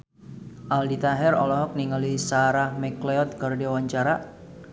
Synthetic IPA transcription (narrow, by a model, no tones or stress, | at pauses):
ʔaldit̪aɦɛrɔlɔɦɔk̚niŋalisaɾahmɛkleɔt̪̚kərdewaɲt͡ʃaɾaʔ